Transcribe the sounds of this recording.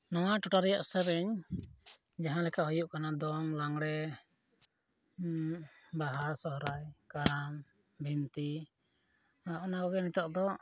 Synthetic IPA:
nɔwaʈɔʈaɾɛjaʔsɛɾɛɲ | d͡ʒaɦãlɛkaʔɦɔjuʔkanad̪ɔmlaŋɽɛ | baɦasɔɦɾajkaɾam | bʱint̪i | aʔɔnakɔɡɛnit̪ɔʔd̪ɔ

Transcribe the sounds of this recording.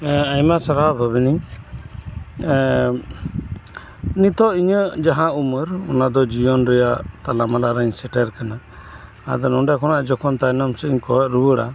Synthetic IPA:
ajmasaɾabʱabiniɲ | nit̪ɔʔiɲəd͡ʒaɦãʔuməɾɔnad̪ɔd͡ʒijɔnɾɛjaʔt̪alamalaɾaɲsɛʈɛɾkanaː | d̪ɔnɔɖjakʰɔnaʔd͡ʒɔkʰɔnt̪ajnamsɛiɲkɔɔɾuwəɽa̰

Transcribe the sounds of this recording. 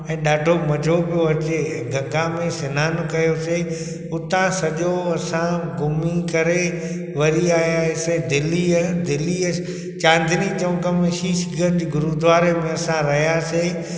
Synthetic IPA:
ɛ̃ːɗaːʈomɐd͡ʑʱopijoɐt͡ɕẽ | ɡʱɐ̃ŋɡãmẽsɪnaːnʊkɐjose | ʊt̪ãsɐʄoɐsãɡʊmikɐɾe | ʋɐɾiaːɦjaɦsed̪ɪliəd̪ɪliə | t͡ɕãːnd̪ʱɪnit͡ɕɐʋə̃kəmẽʃiːʃɪɡʱənd͡ʑiːɡʊɾud̪ʋaːɾemẽɐsãɾɐɦjaseː

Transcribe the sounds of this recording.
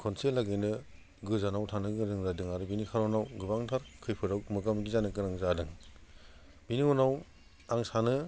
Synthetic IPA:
kʰɔnselaɡɯjnɯ | ɡɯzanawtʰanɯɡɯdɯŋzadɯŋaɾɯbinikʰaɾɔnawɡɯbaŋtʰaɾkʰɯjpʰɯɾawmɯɡamɡizanɯɡɯɾaŋzadɯŋ | biniɔnaw | aŋsanɯ

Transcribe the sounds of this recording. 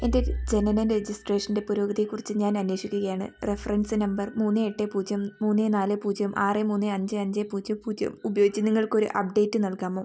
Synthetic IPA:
ende̞d͡ʑe̞nɐnɐnred͡ʑisʈreːʂɐnde̞puɾoːɡɐðikːurit͡ɕːɨɲaːnɐnwe̞ːʂikʲːuɣɐjaːɳɨ̰refɐrɐnsɨnɐmbɐrmuːnːɨeʈːepuːd͡ʑjɐmmuːnːenaːlepuːd͡ʑjɐumʔaːremuːnːeɐɲd͡ʑɨɐɲd͡ʑepuːd͡ʑjɐpuːd͡ʑjɐ̰mubɐjo̞ːɡit͡ɕːɨniŋːɐɭko̞ɾṵʔɐ̰p̚ɖe̞ːtːɨnɐɭkaːmoː

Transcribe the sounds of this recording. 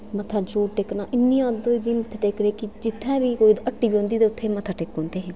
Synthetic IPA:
mət̪ʰːaːd͡ʒɾuːʈeːknaːʔɪnːĩːãːd̪oːd̪iːmət̪ʰːʈeːkneːkɪd͡ʒɪt̪ʰːɛ̃ːʋiːkoːiːd̪əʈːiːbiːõːnd̪iːd̪eːʊt̪ʰːeːmət̪ʰːaːʈeːkɦõːnd̪eːɦɛ̃ː

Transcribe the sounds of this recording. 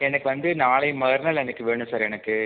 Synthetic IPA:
ɛnɐkːɯʋɐnd̪ɯnaːɭɐɪmɐɣɐɾnɐlɛnɐkːɯʋeːɳʊ̃msaːɾɛnɐkːɯ

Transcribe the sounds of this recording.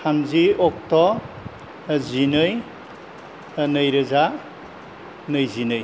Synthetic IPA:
amziɔk̚tɔ | zinɯj | nɯjɾɯza | nɯjzinɯj

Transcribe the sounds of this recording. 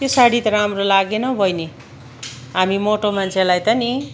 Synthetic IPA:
t̪esaɽit̪ɾamrolaɡenʌbʱʌjne | ɦamimoʈomant͡sʰelajt̪ʌni

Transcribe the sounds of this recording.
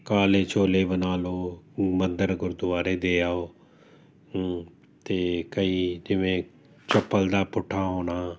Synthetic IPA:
kaːleːt͡ʃʰoːleːbənaːloːmənd̪əɾɡʊɾd̪ʊaːɾeːd̪eːaːoː | t̪eːkəiːd͡ʒɪʋẽː | t͡ʃəpːəld̪aːpʊʈʰːaːɦoːnaː

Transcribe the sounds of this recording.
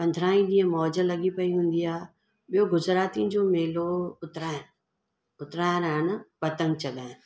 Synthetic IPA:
pɐ̃nd̪ʱɾaːĩɗĩːə̃mɔːd͡ʑəlɐɠipɐiɦũːn̆d̪iaːɦ | ɓijoɡʊzɾaːt̪iʊ̃d͡ʑoːmeːloʊt̪ɾaːɪnɪ̆ | ʊt̪ɾaːɪnañ̆pɐt̪ə̃ŋɡt͡ɕɐɠaːɦɪ̃n̆

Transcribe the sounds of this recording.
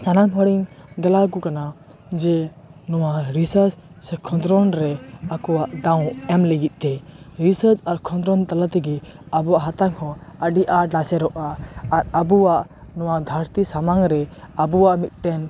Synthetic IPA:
sanamɦɔɽiŋd̪ɛlaɡukana | d͡ʒɛ | nɔwaɾisəɾd͡ʒ | sɛkʰɔ̃nd̪ɾɔnɾɛakɔwaʔd̪ãw̃ɛmlɛɡit̪̚ˀt̪ɛɾisəɾd͡ʒaɾkʰɔ̃nd̪ɾɔnt̪alat̪ɛɡɛ | abuaʔɦat̪aŋhɔ̃əɖiʔaɖasɛɾɔʔaːɾabuwaʔ | nɔwad̪ʱəɾt̪isamaŋɾɛabuwaʔmit̪̚ˀʈɛn

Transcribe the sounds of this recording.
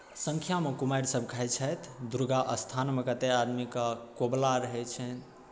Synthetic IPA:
səŋkʰjamekumajɾsəbʱkʰɦɛjt͡ʃʰət̪ʰd̪uɾɡaʔəst̪ʰanmekət̪ead̪mikəkoblaɾəɦɛt͡ʃʰɛt̪

